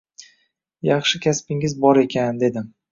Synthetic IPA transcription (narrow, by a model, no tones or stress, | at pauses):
jɑχʃɪkʲʰaspɪŋɪzbɒɾe̞kʲʰand̪e̞d̪ɪm